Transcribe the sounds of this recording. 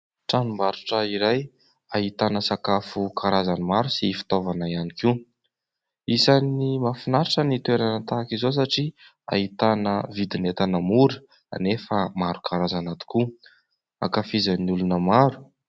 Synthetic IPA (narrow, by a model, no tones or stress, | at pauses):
ʈ͡ʂanumbaɾuʈ͡ʂəiɾaj | aɦit̪anəsakafukʰaɾazanimaɾusifi̥t̪ovanaianiki | isanimafinaɾiʈ͡ʂənit̪uweɾanət̪aːkizos̬aʈ͡ʂi | a̰ɦit̪anəvid̪inet̪anəmuɾi̥ | a̰nefəmaɾukʰaɾazanat̪u̥ku | a̰kafizaniulunəmaɾu̥